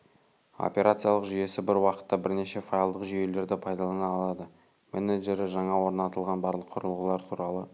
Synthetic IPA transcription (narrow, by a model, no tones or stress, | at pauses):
o̰pʲe̞ɾʔat̪sɨjalˠəqʒʏje̞sɪbɪɾwɑqə̥t̪ːɑbɪɾne̞ʃe̞fajɑlˠd̪əqʒʏje̞le̞ɾd̪ɪpʰɑjd̪ɑlˠɑnɑːlˠɑd̪ə | meneʒe̞ɾɪʒɑɴɑwo̞ɾnɑt̪əlˠʁɑnbɑɾlˠəqʰːʊɾəlˠʁəlˠɑɾt̪ʰuɾɑlˠə